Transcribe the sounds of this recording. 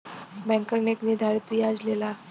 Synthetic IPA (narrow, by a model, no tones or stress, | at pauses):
bɛ̃ŋkaneknid̪ʱaɾt̪ijad͡zlela